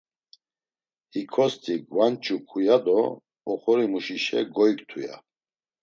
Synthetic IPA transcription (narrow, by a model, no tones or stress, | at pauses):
hikʰɔst̪ʰʼiɡwant͡ʃʰʼukʰujad̪ɔː | χɔɾimuʃiʃɛ̰ɡɔikt̪ʰuja̰